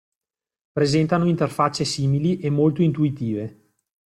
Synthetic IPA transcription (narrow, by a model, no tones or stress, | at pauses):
pɾezɛnt̪anoint̪erfat͡ʃːesiːmiliʔemːolt̪oint̪uit̪iːve